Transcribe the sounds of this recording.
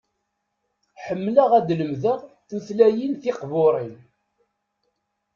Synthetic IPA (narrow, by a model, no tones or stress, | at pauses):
ħəmːləʁæd̪ləmðəʁθuθlæjinθɪqvʊɾˤin